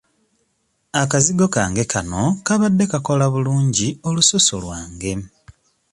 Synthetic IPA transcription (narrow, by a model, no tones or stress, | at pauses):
akaziɡo̞kaːŋɡe̞kano̞kaβadːe̞kako̞laβuluːɲɟio̞lusoso̰lwaːŋɡe̞